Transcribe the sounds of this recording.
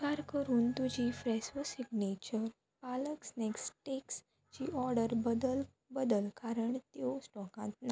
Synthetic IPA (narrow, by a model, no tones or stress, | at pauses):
kaɾkəɾuːnt̪ud͡ʑifɾɛsʋəsiɡnet͡ɕəɾ | paləksneksʈeks | t͡ɕiʔɔɾɽəɾbəd̪əl | bəd̪əlkaɾəɳt̪josʈɔkãt̪na